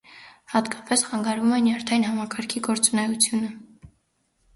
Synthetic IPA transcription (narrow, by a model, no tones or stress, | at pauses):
hɑt̪kɑ̥pɛsχɑŋɡɑɾvumɛnjɑɾt̪ʰɑinɦɑmɑkɑɾkʰiɡɔɾt͡sunɛjut͡sʰjunə